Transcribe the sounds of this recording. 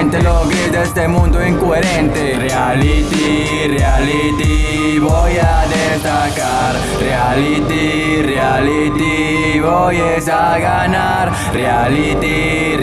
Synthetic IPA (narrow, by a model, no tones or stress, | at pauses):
nt̪eloβiɾd̪est̪emũnd̪oiŋkoeɾent̪erealit̪i | realit̪i | βojaðest̪aka | ɾ | realit̪i | realit̪i | βojesaɣana | ɾ | realit̪i